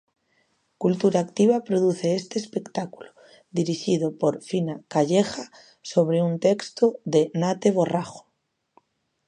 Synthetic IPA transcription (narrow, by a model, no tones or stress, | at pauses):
kult̪uɾaːkt̪iβapɾoðuθe̞est̪eːspe̞kt̪aku̥lo̥ | d̪iɾiʃiðopo̞ɾfinakaʎexa | so̞β̞ɾeunt̪e̞kst̪oðenat̪e̞β̞o̞raxo̥